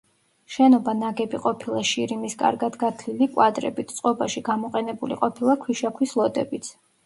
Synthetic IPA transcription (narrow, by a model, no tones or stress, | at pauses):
ʃɛnɔbanaɡɛbiqʼɔpʰilˠaʃiɾimiskʼa̰ɾɡad̪ɡat̪ʰlilikʼwad̪ɾɛ̰bit̪ʰt̪sʼqʼɔbaʃiɡamɔqʼɛnɛbulḭqʼɔpʰilˠakʰwiʃakʰwislˠɔd̪ɛ̰bit̪sʰ